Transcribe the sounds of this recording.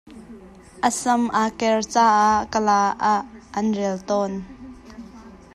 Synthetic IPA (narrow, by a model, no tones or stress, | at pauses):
ʔəsɐmʔaːkɛrt͡saːʔaʔkəlaːʔaʔːɐnrɛlt̪ɔːn